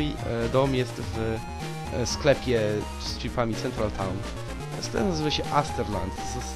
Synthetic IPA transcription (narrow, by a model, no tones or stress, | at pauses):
id̪ɔmjɛst̪v | sklɛpʲjɛ | stfʲipamʲit̪sɛnt̪ɾalt̪ʰawn | sklɛ̰nazɘvaɕɛʔast̪ɛɾla̰nt̪